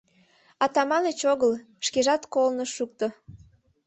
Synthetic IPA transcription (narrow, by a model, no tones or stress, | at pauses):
ɑt̪ɑmɑnət͡ɕoɣəl | ʃkeʒɑt̪kolnəʃʃuk̚t̪o